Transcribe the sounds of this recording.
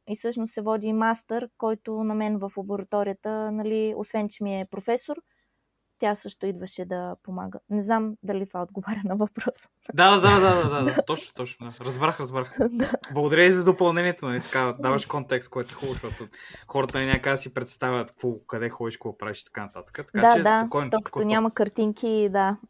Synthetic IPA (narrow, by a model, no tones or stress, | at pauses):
isɤʃnossɛvɔd̪ʲimast̪əɾkɔjt̪ʊnɐmɛnvəflˠɐboɾɐt̪ɔɾijət̪ənɐlio̰svɛnt͡ʃɛmiɛpɾofɛsoɾ | t̪ʲasɤʃt̪ʊid̪vəʃɛd̪ɐpoma̰ɡə̰nɛznamd̪ɐlit̪vaod̪ɡovaɾʲənɐvɐpɾɔs | d̪ad̪ad̪aad̪ad̪ad̪ad̪at̪ɔt͡ʃno̥t̪ɔt͡ʃnod̪aɾɐzbɾaxɾɐzbɾaxd̪ablˠɐɡod̪ɐɾʲjəizɐd̪opɐlˠnɛnʲiɛt̪onɐlit̪ɐ̥kad̪avəʃkɔnt̪ɛkst̪koɛt̪oɛxulˠʊʃt̪ɔt̪oxɔɾət̪ənɛnʲakad̪ɐsipɾɛt̪st̪avʲət̪kvɔkɐd̪ɛxɔd̪iʃkoɡɔpɾaviʃt̪ɐ̥kanɐt̪at̪ə̥kət̪ɐ̥daat͡ʃɛakɔjnt̪ɔk̪onʲaməkɐɾt̪iŋkʲid̪a